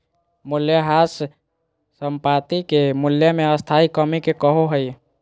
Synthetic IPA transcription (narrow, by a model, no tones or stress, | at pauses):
muljəɦasː | əmpat̪ikemuljəmeəst̪ʰaikəmikekəɦoɦəj